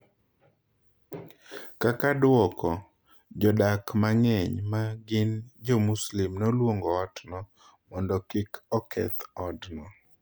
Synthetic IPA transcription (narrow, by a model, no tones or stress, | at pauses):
kakadwɔkɔ | d͡ʒɔdakmaŋɛɲmaɡɪnd͡ʒomuslɪmnolwoŋɡɔːtnɔ | mɔndɔkɪkɔkʰɛ̰t̪ɔdnɔ